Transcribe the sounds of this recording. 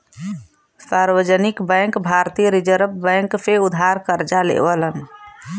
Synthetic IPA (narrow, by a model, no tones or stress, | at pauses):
saɾwəd͡ʒənikbə̃ŋkbʱaɾt̪iɾid͡ʒəɾbbəŋkpʰeud̪ʱaɾkəɾd͡ʒalḛbələn